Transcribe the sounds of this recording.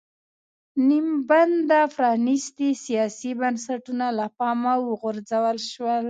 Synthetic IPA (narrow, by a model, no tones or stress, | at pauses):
nimband̪afɾɑnist̪isijɑsibənsaʈunalapɑmawəɣʊɾzawəlʃwəl